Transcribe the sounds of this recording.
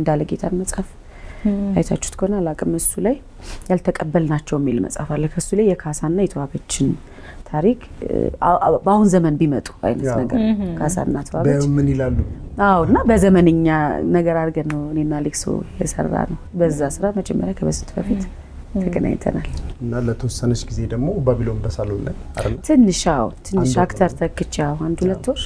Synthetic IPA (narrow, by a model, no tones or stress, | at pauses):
ɨnd̪alːəɡet̪ʰanməsʼaf | ajt̪ʰat͡ʃːu̥t̪kʰəonalakʼɨmɨsːulaj | jalt̪ʰəkʼəbːəlnat͡ʃːɛwɛmːilmə̰sʼafalːəkʰəsːulajɛkʰasanːajɛt̪ʰəwaβot͡ʃːɪn | t̪ʰaɾikʼ | bahunzəmənbimət̪ʼu̥a̰jnət̪nəɡə̰ɾkʰasa̰nːat̪ʰəwa̰bmɨnilalːuawɨnːabəzəmənəɲːanəɡəɾaɾɡənəwɨnenːalɨɡso̰jɛsə̰rːa̰nəwbəzːasɨɾaməd͡ʒɛmːə̰ɾjakʰəbəsɨ̥nt̪ʰbəfit̪ʰ | əɡəna̰jt̪ʰə̰na̰lɨnːalət̪ʰəwɔsːənət͡ʃːɡize̞d̪əɡmobəβilomb̪əsalonːəɲaɾt̪ʰɨnːɨʃawunt̪ʰɨnːɨʃakt̪ʰəɾt̪ʰəkːɨt͡ʃːaand̪hulət̪ːoɾ